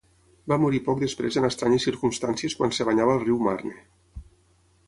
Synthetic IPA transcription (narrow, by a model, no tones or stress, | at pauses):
bamuɾipɔk̚d̪əspɾezənəst̪ɾaɲəsiɾkumst̪ansieskwansəβaɲaβəːlˠriwma̰rne